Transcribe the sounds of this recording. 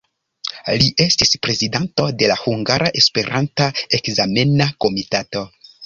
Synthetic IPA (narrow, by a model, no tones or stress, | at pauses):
liʔe̞stispɾe̞zidanto̞de̞lahuŋɡaɾaʔe̞spe̞ɾʔantae̞kzame̞nako̞mitato̞